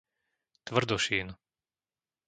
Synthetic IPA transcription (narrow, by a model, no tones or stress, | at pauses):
t̪ʋr̩d̪ɔʃiːn